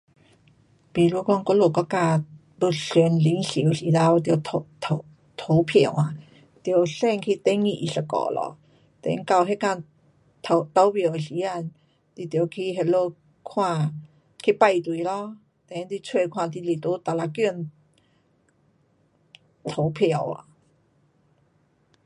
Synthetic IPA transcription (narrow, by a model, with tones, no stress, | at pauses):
pi˨˩lu˧˨kɔ˧ŋkɔ˧˦lo˧˩kɔ˧˦ka˧ | bə˧si˨˧˦nli˨˦ŋsi˨˦wsi˨˦la˧wt̪jt̪ʰo˧t̪ʰo˧˦ | t̪ʰo˨˧˦wpʰi˨˩˨ŋa˧˨ | t̪jə˨˧˩wsɛ˧˨ŋkʰi˧t̪e˧˦ŋi˧˨ʔi˧˩sa˧˩kɔ̰˧˨lɔ̰˧˦ | t̪ḛ˨˧˦ŋka˧˨wɦe˧ka˧ | t̪ʰo˧t̪a˧˦wbjo˨˩wɕi˧˦a˧n | t̪i˧˩t̪jo˨kʰi˧ɦe˧lo˧ | kʰwã˥˧ | kʰi˧pa˧˨jt̪wi˨lɔ˧˦ | t̪e˨˦t̪i˧t͡sʰwe˥˧kʰwã˥˧˨t̪i˧li˨˩t̪u˧˦t̪a˨˧˩la˧kju˥˧˨n | t̪ʰo˨˦pʰja˨˩wa̰˨